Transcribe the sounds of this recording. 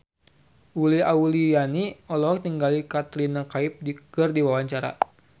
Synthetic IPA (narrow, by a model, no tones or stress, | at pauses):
uliaulijaniɔlɔɦk̚t̪iŋɡalikat̪ɾinakaip̚dikɨrdiwawaɲt͡ʃaɾa̰